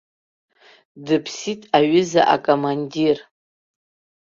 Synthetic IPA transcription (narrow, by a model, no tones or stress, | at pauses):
dɨpʰsitʼaɥʏza̰ʔa̰kʼomandir